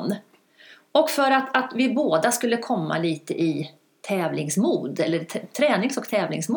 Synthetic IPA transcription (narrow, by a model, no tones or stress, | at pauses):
n | ɔkfœɾat̪at̪vɪboːd̪askɵlːəkʰɔmːa̰liːt̪ə̰ʔɪ | t̪ʰɛːvlɪŋsmuːd̪ɛlːəɾʰt̪ʰɾɛːnɪŋsɔkt̪ʰɛːvlɪŋsm